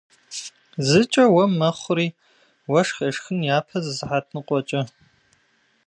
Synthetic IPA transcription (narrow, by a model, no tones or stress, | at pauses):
zɨt͡ʃʼɐwɐmnɐχʷʊɾiː | wɐʂxɐʂxɨnjaːpʰɐzɨzħatʰnɨqʷʼɔt͡ʃʼɐ